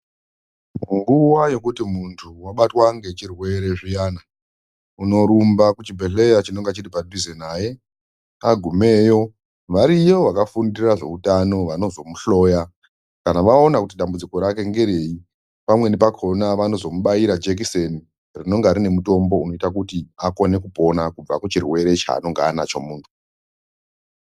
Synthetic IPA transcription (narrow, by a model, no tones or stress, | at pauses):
ŋɡuwajo̞kutimuntʰuwaɓatwaŋɡe̞t͡ʃirwe̞ɾe̞ʐijaːna | uno̞ɾumbakut͡ʃibʱeɬe̞jat͡ʃino̞ŋɡat͡ʃiripadʱizenaje | aɡʱume̞jo̞ | ʋaɾijo̞ʋakafundiraʐe̞̰utano̞ʋano̞zo̞muɬo̞ːja | kanaʋaonakutiɗambud͡ziko̞ɾake̞ŋɡe̞ɾe̞i | pamwe̞nepakʰo̞naʋano̞zo̞muɓaiɾad͡ʒek̬iseni | rino̞ŋɡaɾine̞muto̞mbo̞uno̞itak̬utiako̞ne̞kupo̞nakub͡va̰kut͡ʃirwe̞ɾe̞t͡ʃa̰ːno̞ŋɡaːna̰t͡ʃo̰muːntʰu̥